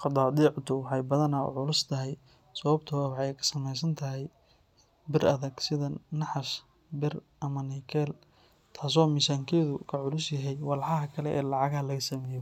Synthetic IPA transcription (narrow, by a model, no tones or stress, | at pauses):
qɑd̪ɑːd̪iːʕt̪ʊwɑħɑjbɐðɐnɐʊ̰ʕʊlʊst̪ʰɐɦɛj | sɐβɐbt̪ʰʊwwħɛjkʰɐ̥sɐmɛjs̬ɐnt̪ʰɐɦɛj | bɪrɐðɐɡsɪðɐnɑħɑʃ | bɪr | ɐmɐnikʰɛːl | t̪ʰaːs̬ɔːmɪsaːŋkʰɛːðʊkʰɐʕʊlʊsjɐɦɛjwɑlħɑɦɐkʰɐlɛʔɛ̰ːlɑʕɑɣlɐɣɐsɐmɛːjɔ